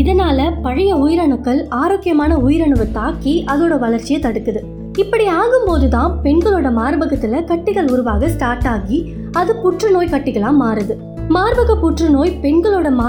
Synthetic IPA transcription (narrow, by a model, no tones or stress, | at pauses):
ɪðɐnaːlɐpɐɻɐjɐʊjɪɾɐɳɯkːɐɭaːɾoːkːɪjɐmaːnɐʊjɪɾɐɳɯʋɯt̪aːkːiʔɐðoːɽɐʋɐlɐɾt͡ʃːɪjɐt̪ɐɽɯt̪ːɯðɯ | ɪpːɐɽiaːɣɯmpoːðɯt̪ãːpɛɳɡɐɭoːɽɐmaːɾɯbɐɣɐt̪ːɪlɐkɐʈːɪɣɐɭʊɾʊʋaːɣɐsʈaːɾʈaːɣi | ɐðɯpʊʈrɯnoːjkɐʈːɪɣɐɭãːmaːɾɯðɯ | maːɾbɐɣɐpʊʈrɯnoːjpɛɳɡɐɭoːɽɐmaː